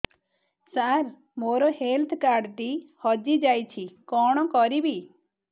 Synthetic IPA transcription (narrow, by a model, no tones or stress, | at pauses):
saɾ | moɾɔhelt̪ʰkaɾɖʈ̪ihɔd͡ʒid͡ʒajt͡ʃʰikɔɽ̃ɔkɔɾibi